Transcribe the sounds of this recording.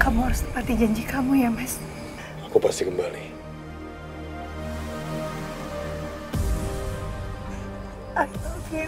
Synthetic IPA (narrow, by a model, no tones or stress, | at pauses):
kamuaɾʊst̪əpart̪id͡ʒaɲd͡ʒikamujamɛs | akupast̪ikəmbali | ake